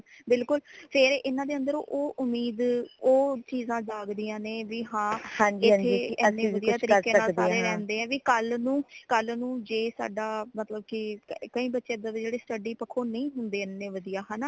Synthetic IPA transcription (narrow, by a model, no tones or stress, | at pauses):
bɪlkʊlpʰɪɾɪnãːd̪eːə̃nd̪əɾo̰ʔoːʔʊmːiːd̪oːt͡ʃiːzãːd͡ʒaːɡd̪ijãːneːʋiːɦãːhãːɲd͡ʒɪ̃tʰːeiɛnːeːʋəd̪jaːt̪əɾiːɾkẽːəaːd̪iːɾeːɾɛ̃ːnd̪eːɛ̃ːʋiːkəlnũːkəlnũːd͡ʒeːsa̰ːɖaːmət̪ləbkɪkəĩːbətːʃeːd̪aːd̪ad͡ʒeːɽeːsʈəɖiːpəkʰõːnəĩːɦʊnd̪eːɛnẽːʋəd̪ijaːɦaːnaː